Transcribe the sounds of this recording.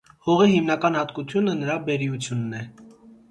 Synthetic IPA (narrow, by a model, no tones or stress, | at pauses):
hɔʁihimnɑkɑn̪hɑt̪kut̪ʰjunənəɾɑbɛɾiut͡sʰjunːɛ